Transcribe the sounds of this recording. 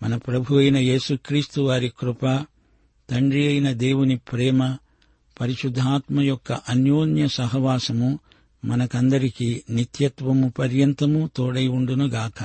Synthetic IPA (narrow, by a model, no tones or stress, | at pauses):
mɐnɐpɾɐbʱuʋɐjnɐje̞ːsukɾiːst̪uʋaːɾikɾupɐ | t̪ɐɳɖɾiɐjnɐd̪eːwunipɾɛːmɐ | pɐɾiʃud̪ʱːaːt̪mɐjɔkːɐʔɐnjoːnjɐsɐɦɐʋaːsɐmu | mɐnɐkɐnd̪ɐɾikinit̪jɐt̪ʋɐmupɐɾjɐnt̪ɐmut̪oːɽɐjuɳɖunuɡaːkɐ